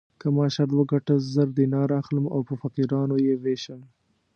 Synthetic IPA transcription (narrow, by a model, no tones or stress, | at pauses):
kəmɑʃaɾd̪wəɡaʈəzəɾd̪enɑɾaxləma̰wpəfaqiɾɑnojeweʃən